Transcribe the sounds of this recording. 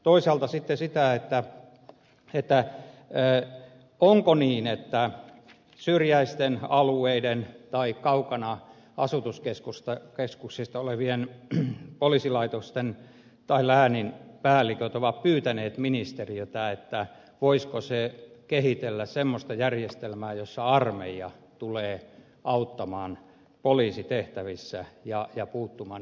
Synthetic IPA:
t̪oisɑːlt̪ɑsit̪ːesit̪æet̪ːæ | et̪ːæː | oŋkoniːnet̪ːæ | syrjæist̪enɑlueident̪ɑikɑukɑnɑ | ɑsut̪uskeskust̪ɑkeskuksist̪ɑoleʋien | polisilɑit̪ost̪en | t̪ɑilæːninpæːlːikøt̪oʋɑppyːt̪æneːt̪minist̪eriøt̪ɑet̪ːæ | ʋoiskosekehit̪elːæssemːost̪ɑjærjest̪elmæːjosːɑɑrmḛjɑt̪uleː | ʔɑut̪ːɑmɑːn | poliːsit̪eht̪æʋisːæjɑjɑpuːt̪ːumɑːn

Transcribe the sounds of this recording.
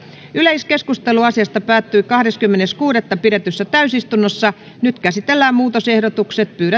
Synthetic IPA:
yleiskeskust̪eluɑsiɑst̪ɑpæːt̪ːyikɑhɾeskymːeneskuːɾet̪ːɑpiɾet̪øsːæt̪æysist̪unːosːɑ | nyt̪kæsit̪elːæːmmuːt̪osehdot̪ukset̪̚pyːɾæ

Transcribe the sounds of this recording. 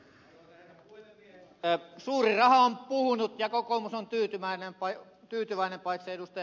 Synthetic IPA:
suːrirɑhɑompuhunut̪jɑkokomusont̪yːt̪ymæinempɑ | t̪yːt̪yʋæinempɑit̪seedust̪ɑj

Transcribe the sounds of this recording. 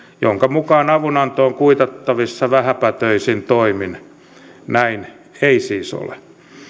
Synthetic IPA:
joŋkɑmukɑːnɑʋunɑnt̪oːŋkuit̪ɑt̪ːɑʋisːɑʋæhæpæt̪øisint̪oimin | næin | eisiːso̰le

